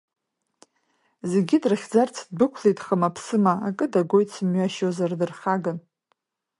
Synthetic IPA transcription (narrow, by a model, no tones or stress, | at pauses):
ze̞ɡʲidrɨχʲd͡zart͡sʰd̚bɨkʷʰletʼχəmapʰsɨmaakʼɨdaɡʷo̞jtʰsɨmɥaʃozardɨrχʲaɡan